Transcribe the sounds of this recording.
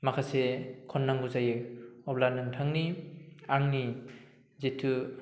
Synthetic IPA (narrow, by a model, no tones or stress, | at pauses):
makʰasekʰɔnːaŋɡuzajɯɔblanɯŋtʰaŋniaŋni | zetʰu